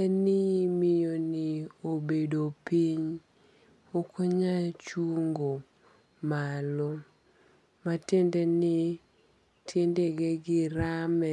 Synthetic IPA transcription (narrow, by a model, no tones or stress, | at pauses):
ɛnɪmɪjoniobedopiɲ | okʰoɲat͡ʃwoŋɡo | malɔ | matendenɪ | tʰendeɡeɡɪɾamɛ